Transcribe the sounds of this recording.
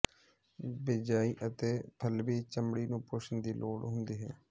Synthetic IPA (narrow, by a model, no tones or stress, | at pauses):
bɪd͡ʒaːiːʔət̪eːpʰəlʋiːt͡ʃəmbɽiːnũːpʊʃənd̪iːloːɽɦʊnd̪iːɦɛː